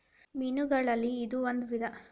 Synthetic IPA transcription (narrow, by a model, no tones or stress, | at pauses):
minuɡɐɭɐlːiːd̪uond̪uʋid̪ʱɐ